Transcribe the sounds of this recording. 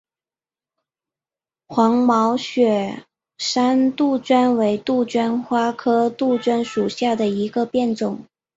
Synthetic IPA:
xwɑ˧˥ŋmɑ˧˥ʊɕɥɛ˨˩ | ʂa˥nt̪u˥˩t͡ɕɥa˥nwe˧˥ɪt̪u˥˩t͡ɕɥa˥nxwa˥kʰɤ˥t̪u˥˩t͡ɕɥa˥nʂu˨˩ɕja˥˩d̪ə˩i˧˥ɡə˧pjɛ˥˩nʈ͡ʂʊ˨˩˦ŋ

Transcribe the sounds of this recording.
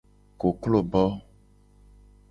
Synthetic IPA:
ko˨klo˦˨bɔ˦

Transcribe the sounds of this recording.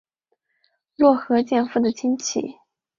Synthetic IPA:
lwɔ˥˩xɤ˧˥t͡ɕjɛ˥˧nfu˥˩d̪ə˩t͡ɕʰi˥nt͡ɕʰḭ˨˩˦

